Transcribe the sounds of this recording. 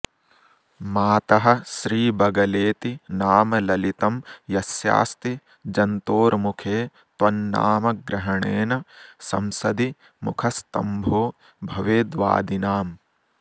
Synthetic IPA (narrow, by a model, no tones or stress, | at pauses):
maːt̪ɐɦɐ̆ʃɾiːbɐɡɐleːt̪inaːmɐlɐlit̪ɐmjɐsja̰ːst̪i | d͡ʒɐnt̪oːɾmukʰeː | t̪ʋɐnːa̰ːmɐɡɾɐɦɐɳeːnɐsɐ̰msɐd̪i | mukʰɐst̪ɐ̰mbʱoː | bʱɐʋeːd̪ʋa̰ːd̪inaːm